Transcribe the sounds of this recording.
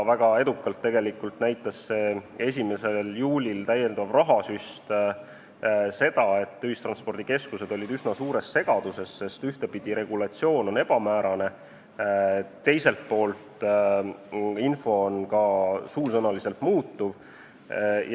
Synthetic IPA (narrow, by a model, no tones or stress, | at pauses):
væɡ̥ɑe̞d̪ukːˑɑlt̪ːe̞ɡe̞likːˑult̪næjt̪ːˑɑsːe̞e̞s̬ʲime̞se̞ljuːlʲilt̪æjːe̞nd̪̥ɑvrɑɦɑsyst̪ | se̞d̪̥ɑe̞t̪ːyist̪rɑnspo̞rd̪̥ike̞skuse̞d̪̥o̞lʲid̪ysnɑsuːɾe̞sse̞ɡ̥ɑd̪̥use̞sːe̞st̪yht̪e̞pid̪̥iɾe̞ɡ̥ulɑt̪sio̞ːno̞ne̞b̥ɑmæːɾɑne̞ | t̪ːe̞jse̞lt̪̚po̞ːlt̪ | info̞onkɑsuːlsɤnɑlise̞lt̪muːt̪ːuv | j